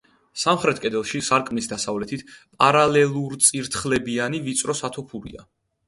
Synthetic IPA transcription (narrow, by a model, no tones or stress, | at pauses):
samχɾɛt̪ʰkʼɛd̪ɛlˠʃisaɾkʼmnisd̪asavlɛt̪ʰit̪ʰpʼaɾalɛlˠuɾt̪sʼiɾt̪ʰχlɛbianivit̪sʼɾɔsat̪ʰɔpʰuɾḭa